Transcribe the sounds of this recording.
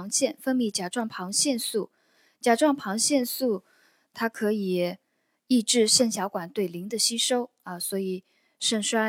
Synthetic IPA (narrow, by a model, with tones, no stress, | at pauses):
ŋɕjɛ˥˧nfə˥ŋmi˧˥˩t͡ɕja˨˩ʈ͡ʂwɑ˥˩ŋpʰɑ˧˥ŋɕjɛ˥˧nsu˥˩ | t͡ɕja˨˩ʈ͡ʂwɑ˥˩ŋpʰɑ˧˥ŋɕjɛ˥˧nsu˥˩ | t̪ʰa˥kʰɤ˧˥i˨˩ | i˥˧ʈ͡ʂɻ̩˥˧ɕjɛ˥˩nɕjɑ˧˥ʊkwa˨˩nt̪we˥˩ɪli˧˥ŋd̪ə˧ɕi˥ʂo˥ʊ | ə˧swɔ˧˥i˨˩ | ʂə˥˩ŋʂwa˥